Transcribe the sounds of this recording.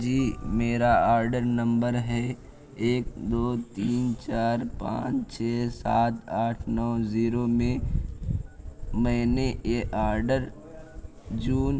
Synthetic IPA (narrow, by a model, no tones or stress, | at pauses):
d͡ʒiːmeːɾaaːɾɖəɾnə̃mbəɾɦɛ | eːk̚d̪oːt̪iːnt͡ʃaːɾpã̰ːt͡ʃt͡ʃʰɛːsaːt̪aːʈʰnɔːziːɾomẽ | məɦneʔeʔaːɾɖəɾ | d͡ʒuːn